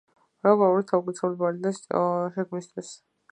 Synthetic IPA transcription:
ɾabaluɾɔt̪ʰaukʼit̪sʰavlibalid̪aʃɛɡmist̪ʰwis

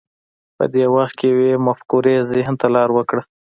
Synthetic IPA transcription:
pə̰d̪ewaxt̪̚kejwemafkuɾezɪhnt̪alɑɾwəkɽə

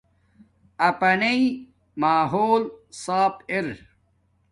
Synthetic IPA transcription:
ɐpɐnei | maːɦoːlsaːpeɾ

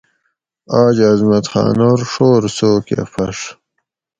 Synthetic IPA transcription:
aːd͡ʑɐzmɐt̪xɑ̰ːnoɾʂoːɾsoːkḛfɐʂ

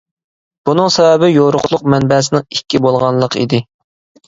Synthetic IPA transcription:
b̥unɨŋsɛvɛbɪjoɾʊqlˠʊq̚mɛnbɛːs̬ɪnɪŋikʲːibolˠʁɑnlˠəqʰḭd̪ɪ

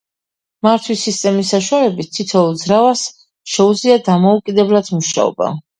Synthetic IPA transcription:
maɾt̪ʰwisːist̪ʼɛmisːaʃuwalɛbit̪̚ʰt̪ʰːit̪ʰɔd̪zɾavas | ʃɛud̪zliad̪amɔukʼid̪ɛblad̪̥muʃa̰ɔ̰ba̰

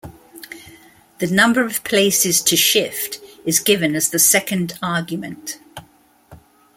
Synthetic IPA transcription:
ðənʌ̃mbəɹəv̥pʰl̥eɪsɪz̥tʰəʃɪftɪzɡɪvə̃nəzðəsɛkə̃ndɑːɡjəmə̃nt

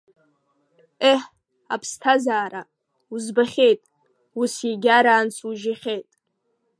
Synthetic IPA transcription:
eħ | a̰pʰstʰazaːɾa | uzbaχʲejtʼ | usjaɡʲaɾaːnt͡sʰuʒɪχʲejtʼ

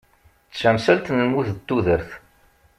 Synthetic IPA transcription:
sænsælt̪nəlmuθt̪ːuðəɾθ

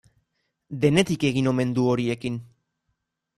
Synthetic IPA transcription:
d̪e̞ne̞t̪ike̞ɣino̞me̞nd̪uo̞ɾie̞kin

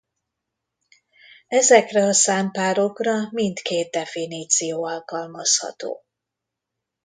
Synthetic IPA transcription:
ɛzɛkrɛɒsaːmpaːɾo̞krɒmint̪keːt̪̚d̪ɛfiniːt̪sijoːɒlkɒlmɒshɒ̰t̪o̰ː

